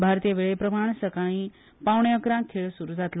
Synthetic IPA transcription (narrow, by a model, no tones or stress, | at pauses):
bʱaɾt̪ijəʋeɭepɾəmaɳ̃səkaɽ̃ĩː | pawɳjəkɾãkʰːeɭsuɾud͡zat̪l